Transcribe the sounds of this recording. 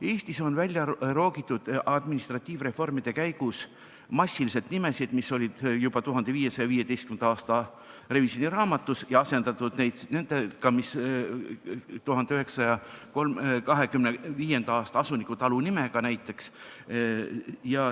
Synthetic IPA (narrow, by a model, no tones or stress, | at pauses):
e̞ːst̪iso̞nvælʲjɑro̞ːɡit̪ːˑud̪̥ɑd̪̥minist̪rɑt̪ʲːˑiːvre̞fo̞rmid̪̥e̞kæjɡ̥us | mɑsʲːilise̞t̪nimesid̪̥misːo̞lʲid̪̥jubɑt̪uɦɑnd̪e̞viːje̞sɑjɑviːje̞d̪e̞jst̪kymend̪ɑɑːst̪ɑ | re̞visjo̞nʲiɾɑːmɑt̪ːˑusjɑɑse̞nd̪̥ɑt̪ːˑud̪ne̞jd̪ne̞nd̪ekɑmis | t̪uɦɑnd̪eyɦe̞ksɑjɑko̞lmkɑɦe̞kymneviːje̞nd̪ɑɑːst̪ɑɑsunikut̪ɑlunimekɑnæjt̪ːˑe̞ks | jɑ